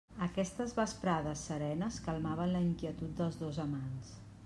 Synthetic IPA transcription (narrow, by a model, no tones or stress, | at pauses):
əkɛst̪əzβəspɾaðəsːəɾɛnəskəlˠmaβ̞ənləiŋkiət̪ut̪̚d̪əlˠzðozəmans